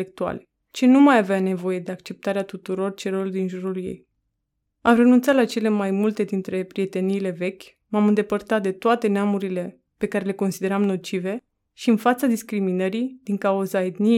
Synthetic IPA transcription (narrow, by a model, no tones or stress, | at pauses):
ek̚t̪ua̰le | t͡ʃinumajaveane̞vo̞je̞d̪e̞akt͡ʃe̞p̚t̪aɾeat̪ut̪uɾo̞rt͡ʃe̞ɾord̪inʒuɾuljḛj | amre̞nunt̪sat̪lat͡ʃe̞le̞majmult̪e̞d̪int̪ɾe̞pɾijet̪e̞niːle̞ve̞kʲ | mamɨnd̪e̞pərt̪at̪̚d̪e̞t̪oat̪e̞neamuɾile̞ | pe̞kaɾe̞le̞ko̞nsid̪e̞ɾamno̞t͡ʃive̞ | ʃiɨnfat̪sad̪iskɾiminəɾid̪̥iŋkauzaed̪ni